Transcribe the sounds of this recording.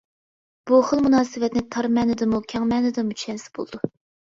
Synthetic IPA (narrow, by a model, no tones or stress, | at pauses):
b̥uχəlˠmunɑːsɨwɛt̪nɪt̪ʰɑɾmɛːnɪd̪ɨmukʲʰɛŋmɛːnɨd̪ɨmut͡ʃʰɛnsɪ̥bo̰lˠɨd̪u